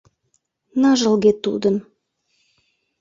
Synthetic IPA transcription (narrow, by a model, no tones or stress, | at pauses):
nɑʒəlɣet̪ːṵd̪ə̆n